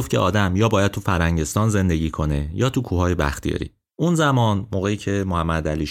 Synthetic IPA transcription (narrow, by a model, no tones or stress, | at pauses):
oft̪cʰeʔɒːd̪æmjɒːbɒːjæd̪̚t̪ʰufæɾhæɲɟe̞st̪ɒːnze̞nd̪e̞ɟiːkʰo̞ne̞jɒːt̪ʰukʰuːɦɒːje̞bæ̰xt̪ʰijɒ̰ɾḭː | ʔunzæmɒːnmoːɣejiːcʰe̞mohæmːæd̪æliːʃ